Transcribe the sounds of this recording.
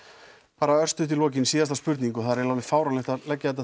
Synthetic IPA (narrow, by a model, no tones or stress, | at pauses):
paːɾaœr̥st̪ʏht̪ɪlvɔːc̬ɪnsiːðast̪aspʏɾt̪niŋkʏθaðɾɪnawvɪfaːwɾanɪht̪alɛcːaðɛt̪a